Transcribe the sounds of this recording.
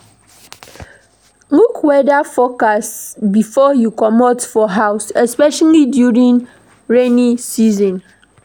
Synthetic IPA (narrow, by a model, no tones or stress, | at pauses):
ŋukwɛdafɔkasbifɔjukɔmɔtfɔɦaʊsɛspɛʃalidjuɹĩn | ɹenisizɔ̃n